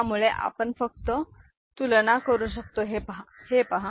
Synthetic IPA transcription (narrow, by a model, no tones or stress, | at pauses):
amuɭeʔa̰pəɳfək̚t̪ə | t̪ulnakəɾuːɕək̚t̪oɦepəɦahepəɦa